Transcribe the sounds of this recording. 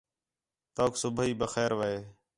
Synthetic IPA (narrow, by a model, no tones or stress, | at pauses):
t̪oːksʊbʱiːbəxɛːɾʋəɦeː